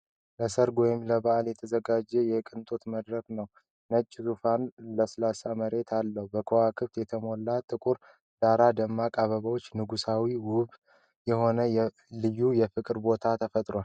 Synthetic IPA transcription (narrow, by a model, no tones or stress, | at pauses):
ləsəɾɡɔjɪmləbaʔaljɛt̪ʰəzəɡad͡ʒːɛjɛkʼɨnt̪ʼot̪məd̪ɾəknəw | nət͡ʃʼːɪzufanləslasaməɾe̞t̪ʰalːəhubəkʰowakʰɨβt̪jɛt̪ʰəmo̞lːat̪ʼːɨkʼuɾ | d̪̥aɾad̪əmːakʼaβəβəwot͡ʃːnɨɡusawiwʊβ | jɛho̞nəjɛ | lɨjːujɛfɨkʼɾbo̞t̪ʰat̪ʰəfət̪ʼɾoal